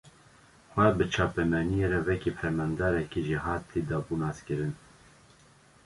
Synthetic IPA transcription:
xʷɛbɨt͡ʃʰɑːpɛmɛnijeɾɛwɛkipʰɛɾmɛnd̪ɑːɾɛkiʒiɦɑːt̪ʰid̪ɑbuːnɑːskɨɾɨn

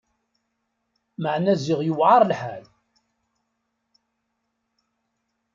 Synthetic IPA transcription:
məʕnæzɪʁjəwʕɑɾˤlħæ̰l

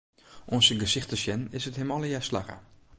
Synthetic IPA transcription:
ʔɔnsəɡəsɪxtəsjɛnɪsəthɪmɔləjasla̰ɣə̰

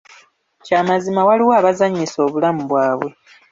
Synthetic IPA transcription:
caːmazimawaliwoːβazaɲːiso̞ːβulamuβwaːβwe̞

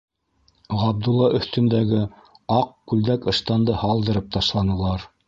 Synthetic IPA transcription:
ʁɑb̚d̪ulˠːɑʔɵ̆θt̪ɵ̆nd̪æɡɘ | ɑq̚kʉld̪ækɤ̆ʃt̪ɑnd̪ɤhɑlˠd̪ɤ̆ɾɤp̚t̪ɑʃlˠɑnɤ̆lˠɑɾ

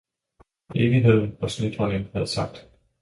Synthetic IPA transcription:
eːʋiɦe̝ð̞̰ˠn̩ɒ̽sled̥hɒ̽nənhæð̞̩ˠsɑ̈ɡ̥̚d̥

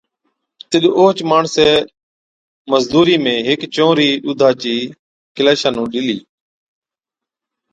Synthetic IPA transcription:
t̪ɪɗʔoːt͡ʃmaːɳseː | məzd̪uːɾiːmẽːɦɪkt͡ʃõːɾiːɗuːd̪ʱaːt͡ʃiː | kɪlaːʃãːnũːɗɪliː

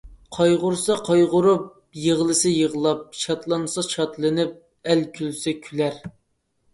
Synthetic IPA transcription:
qʰɑjʁʊɾsɑqʰɑjʁʊɾup̚ | jeʁlˠɨsɨjəʁəlˠɑp̚ʃʰɑt̪lˠɑnsɑʃʰɑt̪lˠɨnɪp̚ | ɛlkʲʰylsɛkʲʰylæɾ

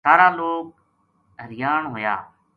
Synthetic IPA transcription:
saːɾaːloːk̚ | ɦəɾɪjaːɳɦoːja̰ː

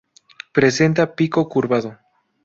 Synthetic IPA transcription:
pɾese̞nt̪apiko̞kuɾβaðo

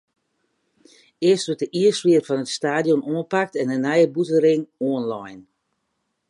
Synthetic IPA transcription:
ɪəstʋøtəʔiəsʋɪərfɔnətstaːdjɔnoənpak̚tɛnənɛjəbutəɾɪŋɔənlɔjn

